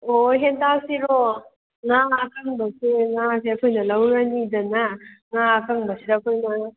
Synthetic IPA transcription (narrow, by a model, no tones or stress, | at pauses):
oɦendasiɾo | ŋakaŋbɐseŋaseɐkʰojnɐlawɾanidɐnaŋakaŋbɐsidaɐkʰojnɐ